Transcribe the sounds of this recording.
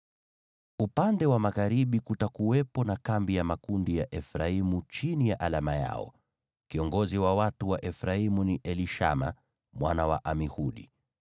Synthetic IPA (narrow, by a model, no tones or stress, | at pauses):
upandɛwamaɣaɾiɓikutakuwɛpɔnakambijamakundijaʔɛfɾaimut͡ʃinijaʔalamaja̰ɔ̰ | kiɔŋɡɔziwawatuwaʔɛfɾaimuniʔɛliʃa̰ma̰ | mwanawa̰ʔamihuɗḭ